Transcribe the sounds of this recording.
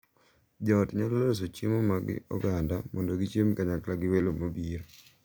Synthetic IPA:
d͡ʒɔtɲalolɾos̬ot͡ʃimomaɡɪ̰ɔ̰ɡandamʔɔndoɡit͡ʃjemkaɲaklaɡɪwelomobiɾ

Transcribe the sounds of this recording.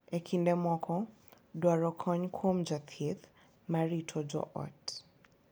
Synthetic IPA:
ekʰindɛmɔkʰɔ | dwaɹɔkʰɔɲkʰomd͡ʒat̪ʰit̪ | maɹitʰɔd͡ʒɔ̰ʔɔ̰t

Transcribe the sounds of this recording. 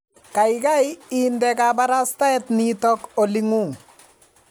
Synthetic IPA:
kajkajiːndɛkabaɾastaɛtnitɔkoliŋuŋ

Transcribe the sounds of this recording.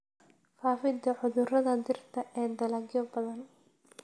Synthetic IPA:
faːfɪd̪ɐʕʊðʊrɐðɐd̪ɪrt̪ʰɐʔɛːd̪ɐlɐɡjɔbɐðɐn

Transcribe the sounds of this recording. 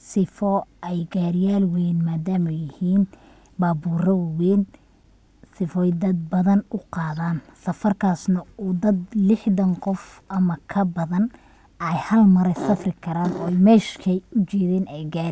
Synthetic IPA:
sɪfɔɛjɡaːɾɪjaːlwɛnmaːd̪aːmɐjɪhiːn | baːbuːrɐwwɛːn | sɪfɔjd̪ɐd̪̚bɐðɐnʊqɑːðaːnsɐfɐrkʰaːsnɐuːd̪ɐd̪lɪħðɐŋqɔfʔɐmɐkʰɐbɐðɐn | ɛjhɐlmɐɾɛsɐfrɪkʰɐɾaːnɔ̰ːɛjmɛːʃkʰɐʊt͡ʃɛːðɛːnɛjɡaːɾ

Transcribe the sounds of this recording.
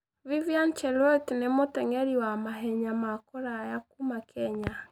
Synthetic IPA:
vivjant͡ʃɛlɔtnemotɛŋɛɾiwamaɦɛɲamakoɾajakumakʰɛɲa

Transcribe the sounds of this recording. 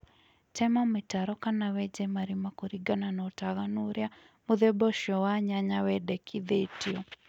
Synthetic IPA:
tɛmɔmɪtaɾɔkanawɛd͡ʒɛmaɾimakoɾiɡananɔtaɣanuɾja | muðɛbɔʃɔwaɲaɲawɛdɛkʰiðetiɔ

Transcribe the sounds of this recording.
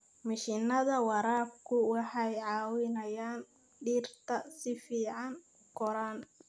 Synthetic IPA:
mɪʃɪnɐðɐwɑɾaːb̚kʰʊwɑħɑjʕɑːwɪnɐjaːn | ɖiːrt̪ʰɐsɪfiːʕɑnʊɡɔɾaːn

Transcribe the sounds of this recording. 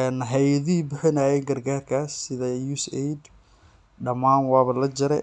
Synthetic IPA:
ɛnɦɛjɐðiːbʊħɪnaːjɛjɡɐrɡaːrkʰaːsːɪðɐjuːsɛjd̪ | ɖɐmaːnwɑːβɐlɐd͡ʒɐɾɛ̰

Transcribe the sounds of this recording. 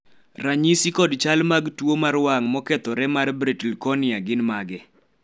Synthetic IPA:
raɲisikɔdt͡ʃalmaɡtwomaɾwaŋmɔkɛt̪ɔɾɛmarbɾitlkɔnɪaɡɪnmaɡɛ

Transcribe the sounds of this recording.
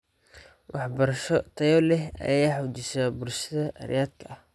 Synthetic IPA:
wʔɑħbɐɾɐʃɔt̪ʰɐjɔlɛɦɐ̰jaːħʊt͡ʃɪsaːbʊlʃɐðɐʔɐ̰ɾɪ̰jaːd̪kʰɐʔɐh

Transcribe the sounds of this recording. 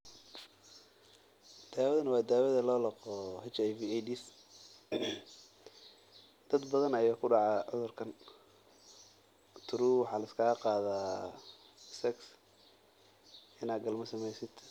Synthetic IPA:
d̪̥aːwɐðɐnɐwɑːd̪aːwɐðɐlɔːlɑqɔhɛt͡ʃɛjviɛjdis | d̪̥ɐd̪bɐðɐnɐjaːkʰʊɖɑʕɑːʕʊðʊrkʰɐn | t̪ʰʊɾuːwɑħɑːlɐɪskʰaːqɑːðaː | sɛks | ɪnaːd̪ɡɐlmɐsɐmɛjsɪd̪̥

